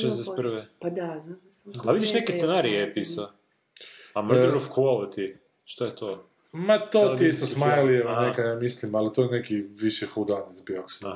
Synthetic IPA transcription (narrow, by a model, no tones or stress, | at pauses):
ʃezd̪ɛseprʋe | aʋid̪iʃnekest̪senaɾiepisa | amɾofkuolot̪ʰi | ʃt̪ajet̪o | mat̪oiist̪osmajlieʋanekajamislimalit̪ojenekiʋiʃɛxud̪anizbioks